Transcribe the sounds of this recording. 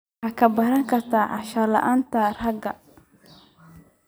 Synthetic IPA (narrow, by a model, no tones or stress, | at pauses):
akʰɐbɐɾɐŋkʰɐrt̪ʰaːʔɐʃɐlɐ̰ʔaːnt̪ʰarrɐɡɐ